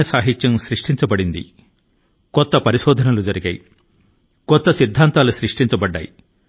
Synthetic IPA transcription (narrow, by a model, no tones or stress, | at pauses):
esaːɦit̪ːjɐmsɾiʂʈiɲt͡ʃɐbɐɽind̪ḭ | kɔt̪ːɐpɐɾiʃɔːd̪ʱɐnɐlud͡ʒɐɾiɡɐj | kɔt̪ːɐsid̪ʱːaːnt̪aːlusɾiʂʈiɲt͡ʃɐbɐɖːa̰ːj